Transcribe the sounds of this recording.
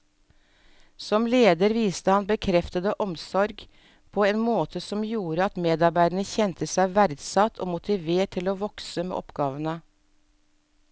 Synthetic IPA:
sɔmleːd̪əɾʋiːst̪əhɑnbəkʰɾɛft̪əd̪əʔɔmsɔɾɡ | pʰoːeːnmoːt̪ʰəsɔmjuːɾəɑt̪meːd̪ɑɾbæɪd̪əɳəçɛnt̪ʰəsæɪʋæɾd̪sɑt̪ʰo̰ːmʊt̪ɪʋeːʈʰɪloːʋɔksəmḛːʔɔpɡɑːʋənə

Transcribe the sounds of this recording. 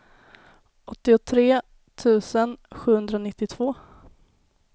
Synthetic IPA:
ɔt̪ːɪʊt̪ʰɾeː | t̪ʰʉ̟ːsənɧʉ̟ːhɵnd̪ɾanɪt̪ːɪt̪ʰvoː

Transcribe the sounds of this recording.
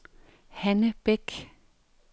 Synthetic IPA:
hɛnəb̥ɛk

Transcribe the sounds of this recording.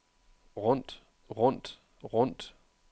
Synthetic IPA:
ʁʊnt | ʁʊnt | ʁʊnt

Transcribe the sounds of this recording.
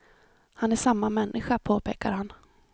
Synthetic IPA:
hanæʂamːamɛnːʔɪɧapʰoːpʰeːka̰ɾhan

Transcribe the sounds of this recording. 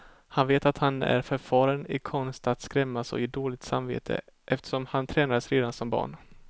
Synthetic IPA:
hanveːt̪at̪hanæ̰ɾfœɾfɑːɾənɪkʰɔnst̪at̪skɾɛmːasɔ̰ɪːd̪oːlɪɡ̚t̪sa̰mvḛːt̪ʰə̰ʔɛft̪ə̥ʂɔmhant̪ʰɾɛːnad̪əsɾeːd̪ansɔmbɑ̰ːɳ

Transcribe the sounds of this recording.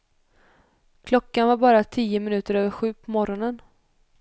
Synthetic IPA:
kʰlɔkːanvaɾbɑːɾat̪ʰiːəmɪnʉ̟ːt̪əɾøːvəɾɧʉ̟ːpʰɔmɔɾɔnən

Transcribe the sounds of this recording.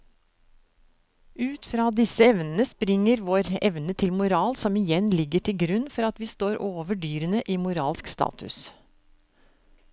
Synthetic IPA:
ʔʉːt̪fɾɑːd̪ɪsəɛʋnn̩əspɾɪŋːəɾʋoːɾɛ̰ʋnət̪ʰɪlmʊɾɑːlsɔmɪjɛnlɪɡəʈʰɪlɡɾʉnːfɔɾɑt̪ʋiːst̪oːɾʔoːʋəɖyːɾənəʔiːmʊɾɑ̰ːlskst̪ɑ̰ːt̪ʰʉ̰s

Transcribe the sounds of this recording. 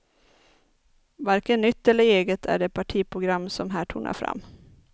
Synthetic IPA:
vaɾkənnːʏt̪ːɛlːəɾeːɡət̪ʰæ̰ɖeːpʰaʈʰiːpʰɾʊɡɾamːsɔmɦæːʈʰṵːɳa̰fɾa̰mː

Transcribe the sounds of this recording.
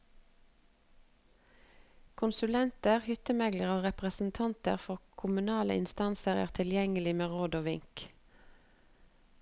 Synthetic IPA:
kʰʊnsʉlɛnt̪əʁhʏt̪əmɛɡləʁoːʁɛpʁəsn̩t̪ʰɑnt̪ə̰ʁfɔʁkʰʊmʉnɑːlə̰ɪ̰nst̪ɑnsəʁæ̰ːʁt̪ʰɪljɛŋəlɪmeːʁoːd̪oːʋɪŋk

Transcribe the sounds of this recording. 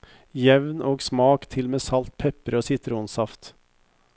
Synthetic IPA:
jɛʋnoːɡsmɑːkt̪ʰɪlmeːsɑlt̪̚pʰɛpəɾoːsɪt̪əɾəʊnsɑft̪

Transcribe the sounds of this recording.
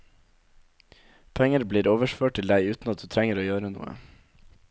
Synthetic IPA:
pʰɛŋəɾbliːɾoːʋəʃføːʈ̚t̪ɪld̪æɪʉːt̪n̩ɑt̪̚d̪ʉːt̪ʰɾɛŋəɾoːjøːɾənṵːə̰

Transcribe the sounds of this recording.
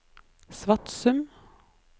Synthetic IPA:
sʋɑʈsʉm

